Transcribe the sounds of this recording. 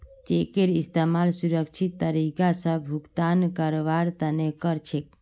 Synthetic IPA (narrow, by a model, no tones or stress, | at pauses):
t͡ʃekeɾist̪emalsuɾəkt͡ʃʰit̪ːəɾikasə̃bbʱukt̪ankəɾʋaɾt̪ənekəɾt͡ʃʰek